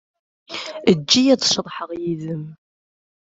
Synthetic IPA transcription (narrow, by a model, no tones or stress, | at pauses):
əd͡ʒːijæt͡sʃðˤħəʁjiðəm